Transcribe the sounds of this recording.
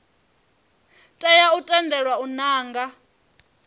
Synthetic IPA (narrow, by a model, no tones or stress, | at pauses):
tʼajautʼandʱɛɺwaunaːŋɡa